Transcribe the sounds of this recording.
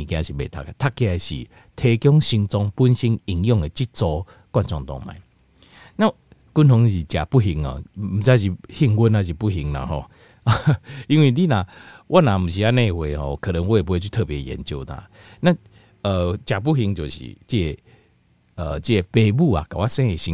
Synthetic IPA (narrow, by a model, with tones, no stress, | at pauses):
ĩ˨kj̃ã˧ɕi˨bḛ˨t̪ʰa̰˧˨kt̪ʰa˦˧kːje˨ɕḭ˨ | t̪ʰe˧kjɔ˦ŋɕi˧ŋt͡sɔ˧ŋpu˦nɕi˦ŋi˨˩ŋjɔ˥˧ŋe˨t͡ɕi˦t̚t͡sɔ˧ | kwa˥˨nt͡ɕɔ˧ŋt̪ɔ̰˧ŋmã̰˨˩˦ | nã˦ | ku˦nhɔ˧˦ŋɕi˨t͡ɕa̰˨˩pu˦ɦi˧ŋə̰˨m̩˨˩t͡sa˧˦ɕ̬i˨hi˧ŋɡu˦nã˧ɕ̬i˨pu˦ɦi˧ŋna̰˨ɦɔ̰˧ | i˧nwi˧li˦nã˨˩wʔa˦nã˨m̩˨˩ɕ̬i˨a˦nẽ˧˨hwe˨hɔ̰˧˨kʰə˨ɾə˨˦ŋwɔ˦e˨p̬e˧˦u˦t̪ʰəː˦˧˨pje˨˩jɛ̰˨˦nt͡ɕjo˧˨t̪ã̰˧˦ | nã˦ | ə˨˧t͡ɕja˨˩p̬u˦hi˧ŋt͡ɕjo˨˩ɕḭ˨t͡ɕi˦e˧ | ə˨t͡ɕi˦e˨pe˧bu˥˧a̰˨ka˨wa˦sɛ̃˦e˨˩ɕi˧